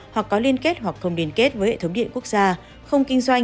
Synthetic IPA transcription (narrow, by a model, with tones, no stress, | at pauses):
hwa˨˩kːɔ˨˦li˧ənke˦˥t̚hwa˨˩k̚xə˧wŋ͡mli˧ənke˦˥t̚vəː˨˦jhḛ˧˨t̪ə˨˦ŋ͡mɗḭ˧˨ənku˦˥ək̚zaː˧ | xə˧wŋ͡mkï˧ŋ̟swa˧jŋ̟